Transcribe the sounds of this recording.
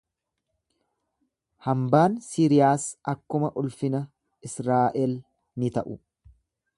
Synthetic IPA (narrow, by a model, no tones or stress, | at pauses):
hɐmbaːnsiːɾɪjaːsʔɐkːʊmɐʔʊlfɪnɐ | ɪsɾaːʔɛl | nɪt̪ɐʔʊ